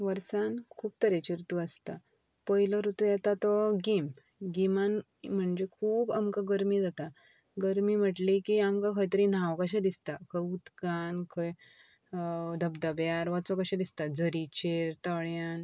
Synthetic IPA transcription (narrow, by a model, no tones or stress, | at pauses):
ʋəɾsankʰuːb̚t̪əɾet͡ɕiɾt̪uəst̪a | pəɦiləɾut̪ujɛt̪at̪ɔɡim | ɡiman | m̤əɳd͡ʑekʰuːbamkaɡəɾmid͡zat̪a | ɡəɾmim̤əʈlikiamkãkʰəjt̪̬əɾĩn̤awkaɕ̬ad̪ist̪akʰəjut̪kankʰəj | d̪ʱəbd̪əbjaɾʋat͡sɔkaɕãd̪ist̪ad͡zəɾit͡ɕeɾt̪əɭjan